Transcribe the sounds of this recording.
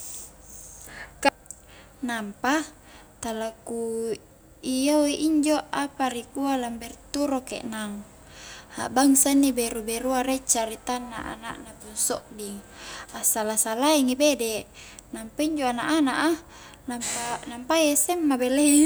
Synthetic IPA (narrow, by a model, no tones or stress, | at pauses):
k | nampa | t̪alaku | ijawiʔiɲd͡ʒoapaɾikualambɛrt̪uɾokḛʔnaŋ | ha̰ʔbaŋsanːibɛɾubɛɾuaɾɛt͡ʃaɾit̪anːa̰ʔa̰na̰ʔnapunsɔʔdiŋasalasalaiŋibedɛʔ | nampaiɲd͡ʒoanaʔanaʔa | nampanampaesɛmːabelei